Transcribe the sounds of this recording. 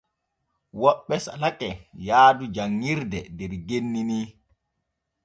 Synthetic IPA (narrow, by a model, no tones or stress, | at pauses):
wɔɓːɛsa̰lakʼɛjaːdud͡ʒaŋːiɾdɛdɛɾɡenːiniː